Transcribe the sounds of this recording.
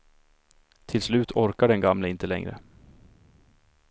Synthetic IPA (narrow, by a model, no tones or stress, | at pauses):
t̪ʰɪlslʉ̟ːt̪ʰɔɾkaɖɛnɡamləɪnt̪əlɛ̰ŋɾə̰